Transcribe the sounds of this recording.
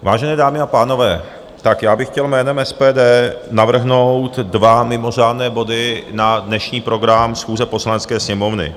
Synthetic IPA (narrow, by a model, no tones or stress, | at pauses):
vaːʒɛnɛːdaːmɪapaːno̞vɛː | t̪akjaːbɪxcɛlmɛːnɛmʔɛspɛːdɛːnavr̩ɦnowt̪dvamɪmo̞r̝aːdnɛːbo̞dɪnadnɛʃɲiːpɾo̞ɡɾamsxuːzɛpo̞slanɛt͡skɛːsɲɛmo̞vnɪ̰